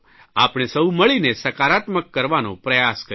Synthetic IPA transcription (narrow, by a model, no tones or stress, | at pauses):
a̰pɳ̃esəuməɭinesəkaɾat̪məkːəɾʋanõ̰pɾəjaskə